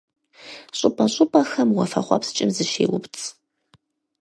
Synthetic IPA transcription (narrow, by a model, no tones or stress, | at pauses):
ɕʼʊpʼɐɕʷʼʊpʼɐxɐmwɐfɐ̰χʷɐ̰pst͡ʃʼɪmzɨʃḛːwʊ̰pt͡sʰʼ